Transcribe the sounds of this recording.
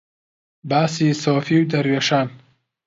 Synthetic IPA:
baːsiːsɔːfiwd̪ɐɾweʃaːn

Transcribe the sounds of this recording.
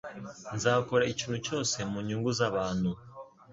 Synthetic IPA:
nzaːkoɾaiciːnhuco̞ːse̞muɲuːŋɡuzaβaːnu

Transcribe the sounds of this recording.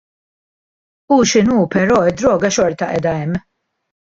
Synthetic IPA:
uʃɪnuːpɛɾɔːɪd̪ːɾɔːɡɐʃɔɾt̪ɐʔɛ̰ːd̪ɐɛmː

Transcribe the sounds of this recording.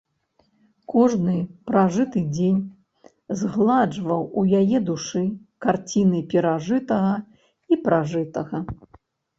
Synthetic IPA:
kɔʐnɨpɾaʐɨt̪ɨd͡zʲenʲ | zɣlˠad͡ʐvɐwujajɛd̪uʂɨkart͡sʲinɨpʲɛɾaʐɨt̪ɐɣɐ | ipɾaʐɨt̪ɐɣɐ

